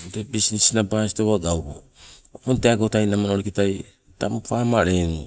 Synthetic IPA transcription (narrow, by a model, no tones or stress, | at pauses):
tebisnisinabasi̥toβaɡawbo̰ | oponteaɡotajnamanoɾikitaj | tamupamaɾenu